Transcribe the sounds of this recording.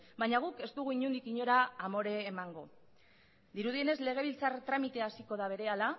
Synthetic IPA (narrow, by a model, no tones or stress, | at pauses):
bajɲaɣ̞uke̞st̪uɣ̞uiɲund̪ikiɲo̞ɾaːmo̞ɾe̞ːmaŋɡo̞ | d̪iɾuð̞ie̞ne̞zle̞ɣ̞e̞β̞ilt͡saɾt̪ɾamit̪e̞asiko̞ðaβ̞e̞ɾe̞ala